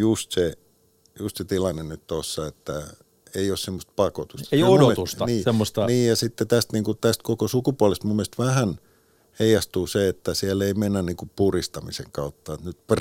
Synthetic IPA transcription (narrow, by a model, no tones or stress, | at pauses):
just̪se | just̪set̪ilɑnːennyt̪t̪osːɑet̪ːæ | eiˑossemːost̪̚pɑko̰t̪ust̪eieomooet̪ust̪ɑniːsemːost̪ɑniːjjɑsit̪ːet̪æst̪niːŋkut̪æst̪̚kokosukupuɑlest̪mumːielst̪ʋæhæn | heijɑst̪uːseet̪ːæsieleimenːænniːŋkuppurist̪ɑmḭsḛŋkɑut̪ːɑet̪nyt̪pr